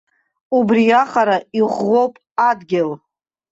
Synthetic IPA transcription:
ubriaχaɾaiʁʷːowpʼ | adɡʲɪl

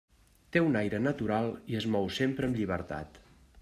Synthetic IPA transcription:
t̪eunajɾənət̪uɾalˠiəzmɔwsempɾəːmʎiβəɾt̪a̰t̪

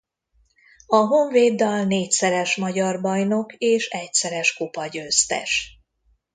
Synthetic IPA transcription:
ɒɦo̞ɱveːd̪ːɒlneːcsɛɾɛʃmɒɟɒrbɒjno̞keːʃɛcsɛɾɛʃkopɒɟøːst̪ɛ̰ʃ

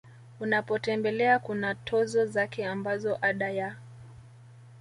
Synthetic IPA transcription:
unapɔtɛmbɛlɛakunatʰɔzɔzakɛambazɔʔaɗaja

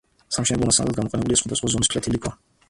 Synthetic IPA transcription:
samʃɛnɛblɔmasand̪at̪̚ɡamɔqʼɛnɛbuliasχwad̪asχwazɔniskʰlɛt̪ʰilikʰʼwa

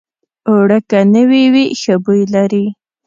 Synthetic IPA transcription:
oɽəkanəwiwixəbujlaɾi

